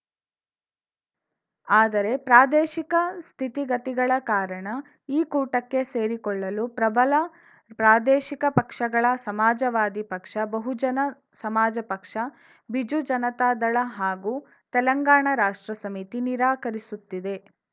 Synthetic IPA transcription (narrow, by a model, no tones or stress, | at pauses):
aːd̪ɐɾe̞pɾaːd̪eːʃikɐst̪ʰit̪iɡɐt̪iɡɐɭɐkaːɾɐɳɐ | iːkuːʈɐkːe̞seːɾikɔɭːɐlupɾɐbɐlɐ | pɾaːd̪eːʃikɐpɐkʂɐɡɐɭɐsɐmaːd͡ʒɐʋaːd̪ipɐkʂɐbɐɦud͡ʒɐnɐ | sɐmaːd͡ʒɐpɐkʂɐ | bid͡ʒud͡ʒɐnɐt̪aːd̪ɐɭɐɦaːɡuː | t̪ɛlɐŋɡaːɳɐɾaːʂʈɾɐsɐmit̪iniɾaːkɐɾisut̪ːid̪e̞